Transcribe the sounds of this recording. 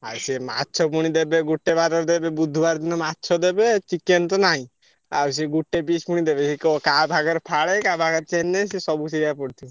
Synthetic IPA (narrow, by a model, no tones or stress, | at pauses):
a̰ɾsema̰tːt͡ʃʰɔpuɽ̃id̪ebeɡuʈːebaɾɔɾd̪ebebud̪ʱubaɾd̪inɔmatːt͡ʃʰɔd̪ebet͡ʃikːent̪ɔnaɦĩ | a̰ɾs̬eɡuʈːebispuɽ̃id̪ebesikokabʱaɡɔɾpʰaɭekabʱaɡɔɾt͡ʃɛnːesisɔbusiɾjapɔɽt̪ʰi